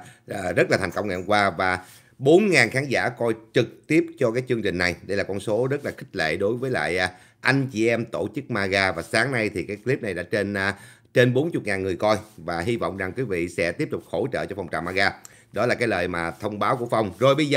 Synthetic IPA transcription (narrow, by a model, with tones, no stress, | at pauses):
zə˦˥t̚la˨˩a˨˩ŋ̟kə˧wŋ͡mŋɛ̰˧˨ŋ͡mkwaː˧vaː˨˩ | ɓo˨˦nŋaː˨˩nxaː˨˦nza̰ː˧˥kɔ˧jt͡ɕɨ˨˩k̚t̪i˦˥əp̚t͡ɕɔ˧kaː˨˦jt͡ɕɨ˧əŋt͡ɕï˨˩ŋ̟na˨˩jɗə˧jlaː˨˩kɔ˧nso˨˦zə˦˥t̚laː˨˩xï˦˥k̟̚lḛ˧˨ɗo˨˦jvəː˨˦jla̰ː˧˨jʔ | ʔa˧jŋ̟t͡ɕi˨˩ʔɛ˧mt̪o˧˩t͡ɕɨ˦˥k̚maː˧ɣaː˧vaː˨˩saː˨˦ŋna˧jt̪ʰi˨˩kaː˨˦jkli˦˥p̚na˨˩jɗa̰ː˧˥t͡ɕe˧nː˧ | t͡ɕe˧nɓo˨˦nt͡ɕʊ˨˩t̚ŋaː˨˩nŋɨ˨˩əjkɔ˧jvaː˨˩ɦi˧vɔ̰˧˨wŋ͡mza˨˩ŋkwi˨˦vḭ˧˨sɛ̰˧˥t̪i˦˥əp̚t̪ʊ˨˩k͡p̚ho˧˩t͡ɕə̰ː˧˨t͡ɕɔ˧fa˨˩wŋ͡mt͡ɕa̰ː˧˨˩maː˧ɣaː˧ | ɗɔ˨˦laː˨˩kaː˨˦jləː˨˩jmaː˨˩t̪ʰə˧wŋ͡mɓaː˨˦wku˧˩əfa˧wŋ͡mzo˨˩jɓə˧jz